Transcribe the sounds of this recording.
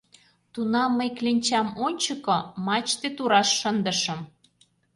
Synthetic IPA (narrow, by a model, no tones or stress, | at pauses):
t̪unɑmːəjklenʲt͡ɕɑmonʲt͡ɕəkomɑt͡ɕt̪et̪uɾɑʃːənd̪əʃə̆m